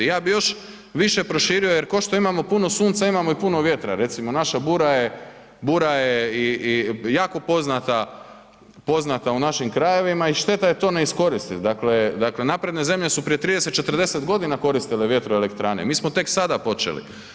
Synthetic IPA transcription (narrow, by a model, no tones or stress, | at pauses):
ijaːbijo̞ʃ | ʋiʃe̞pɾo̞ʃiːɾijo̞je̞ɾkoʃt̪o̞imamo̞puno̞suːnt̪saimamoipuno̞ʋje̞t̪ɾa̰ɾe̞t̪simo̞naʃabuːɾaje̞ | buːɾajeiijaːko̞po̞znat̪a | po̞znat̪aunaʃimkɾaje̞ʋimaiʃt̪e̞t̪ajet̪o̞neisko̞ɾist̪it̪d̪akle̞d̪akle̞naːpɾe̞d̪ne̞ze̞mʎe̞supɾijet̪ɾiːd̪ese̞t̪̚t͡ʃe̞t̪r̩d̪e̞se̞t̪ɡo̞d̪inako̞ɾist̪ileʋje̞t̪ɾoele̞kt̪ɾaːnḛmiːsmot̪e̞ksad̪apo̞t͡ʃḛlḭ